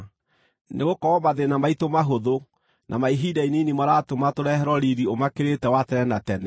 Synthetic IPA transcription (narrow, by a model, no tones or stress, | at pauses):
neɣokɔɔmaðenamaitomaɦoðo | nʔa̰maiɦidainenimaɾaːtomatoɾɛɛɾɔɾiɾiomakeɾetɛwatɛɾɛnatɛnɛ